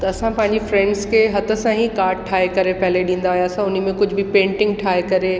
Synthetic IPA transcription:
t̪ɐɐsãpɐ̃ɦɪ̃ɲd͡ʑifɾɛ̃ɳɖzkʰeɦɐt̪ə̆sãɦikaːɾʈ̚ʈʰaːekɐɾepɐɦɪleɗĩːnd̪aɦujasãʊn̆mẽkʊd͡ʑʱbʱɪpẽːɳʈɪ̃ŋɡ̚ʈʰaːekɐɾe

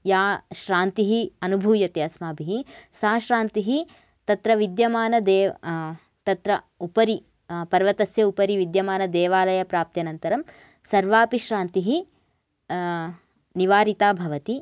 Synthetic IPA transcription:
jaːʃɾaːnt̪iɦiɐnubʱuːjɐt̪jɐsmaːbʱiɦisaːʃɾaːnt̪iɦi | t̪ɐt̪ɾɐʋid̪jɐmaːnɐd̪ɛː | t̪ɐt̪ɾɐ | upɐɾi | pɐɾʋɐt̪ɐsjɐupɐɾiʋid̪jɐmaːnɐd̪ɛːʋaːlɐjɐpɾaːp̚t̪jɐnɐnt̪ɐɾɐm | sɐɾʋaːpiʃɾaːnt̪iɦi | niʋaːɾit̪aːbʱɐʋɐt̪i

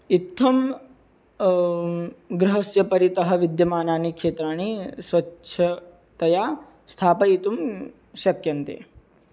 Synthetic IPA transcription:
it̪ʰːɐm | ɡɾɐɦɐsjɐpɐɾit̪ɐɦɐ̆ʋid̪jɐmaːnaːnikʂeːt̪ɾaːnisʋɐʃʰɐ | t̪ɐjaː | st̪ʰaːpɐit̪um | ʃɐkjɐnt̪ḛː

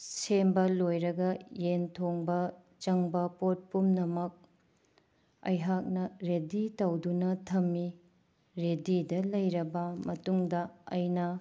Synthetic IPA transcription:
sembɐlojɾɐɡɐjentʰoŋbɐ | t͡ʃɐŋbɐpot̚pumnɐmɐk̚ | ɐ̰jɦak̚nɐɾeditɐwdunɐtʰɐmːi | ɾedidɐlɐjɾɐbɐmɐtuŋdɐɐjnɐ

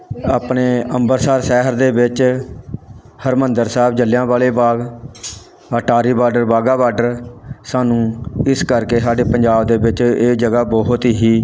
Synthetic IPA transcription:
aːpɳeːəmbəɾsaːɾsɛːɦəɾd̪eːbɪt͡ʃ | həɾmənd̪əɾsɛːbd͡ʒəlːjãːʋaːleːbaːɡ | əːʈaːɾiːbaːɾɖəɾbaːɡaːbaːɖəɾsaːnũːɪskəɾkeːsaːɖeːpəɲd͡ʒaːbd̪eːbɪt͡ʃeːd͡ʒəɡaːbɔɦʊt̪iɦiː

